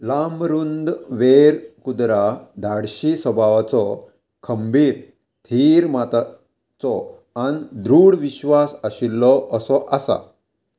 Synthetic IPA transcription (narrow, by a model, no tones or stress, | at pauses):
lamɾund̪ʋeɾkud̪ɾad̪ʱaɽɕisɔbʱaʋat͡sɔ | kʰəmbiːɾ | t̪ʰiɾmat̪a | t͡sɔ | and̪ɾuːɽʋiɕʋasəɕilːɔʔəsɔʔasa̰